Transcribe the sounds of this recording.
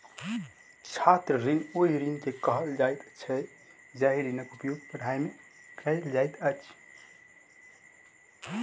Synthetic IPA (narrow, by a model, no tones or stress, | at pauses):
t͡ʃʰat̪ɾəɾiŋoɦiɾinkekəɦəld͡ʒajt̪t͡ʃʰə | d͡ʒaɦiɾinəkupjoɡpɾəɽʱajmekajld͡ʒajt̪ət͡ʃʰ